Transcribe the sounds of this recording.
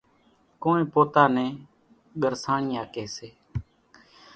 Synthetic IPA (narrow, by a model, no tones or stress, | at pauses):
koːẽːpoːt̪aːnɛ̃ː | ɠəɾsaːɳɪːaːkeːseː